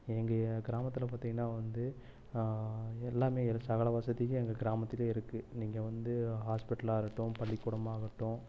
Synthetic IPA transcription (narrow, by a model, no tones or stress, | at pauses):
ɛŋɡɐɡɪɾaːmɐt̪ːɪlɐp̬aːɾt̪ĩːŋɡɐnːaːʋɐnd̪ɯ | ɛlːaːmeːɪɾsɐɣɐɭɐʋasɐðɪjʊ̃ɛŋɡɐɡɪɾaːmɐt̪ːɪleːɪɾɯkːɯniːŋɡɐʋɐnd̪ɯɦaːspɪʈːɐlaːɾɯʈːʊ̃pɐɭːɪkːʊɽɐmaːɣɐʈːʊ̃